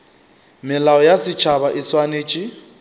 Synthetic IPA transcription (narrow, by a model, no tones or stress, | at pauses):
mɪlaɔjasɪt͡ʃʰaβaʔɪswaneːt͡ʃʼi